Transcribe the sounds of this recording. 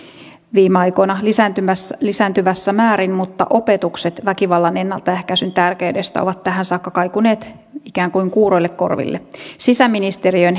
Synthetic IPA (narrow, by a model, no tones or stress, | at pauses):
ʋiːmeɑjko̞nɑlisæt̪yæslisæːnt̪yʋæsːæmæːɾinmut̪ːɑ̰ʔo̞pe̞t̪ukse̞t̪ʋækiʋɑlːɑne̞nːɑlt̪ɑæhkæsynt̪ærkeyde̞st̪æ̰oʋɑt̪tːæɦænsɑːkːɑkɑjkune̞ːt̪ | ikæːŋkujŋkuːɾo̞jlːe̞kko̞̰rʋḭlːḛsisæmːinist̪e̞ɾiøn